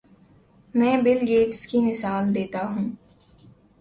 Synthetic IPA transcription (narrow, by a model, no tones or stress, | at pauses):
mɛ̃ːbɪlɡeːd͡ʒskimɪsaːld̪eːt̪aɦũː